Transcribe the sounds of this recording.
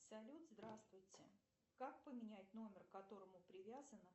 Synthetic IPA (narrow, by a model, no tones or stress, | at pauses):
sɐlʲut̪zd̪ɾast̪vʊjtʲɪ | kak̚pəmʲɪnʲætʲno̞mʲɪrkɐt̪o̞ɾəmʊpɾʲɪvʲazən